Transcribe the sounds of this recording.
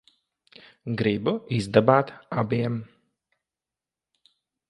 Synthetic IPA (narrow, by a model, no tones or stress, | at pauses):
ɡɾibuizd̪abaːt̪abiɛm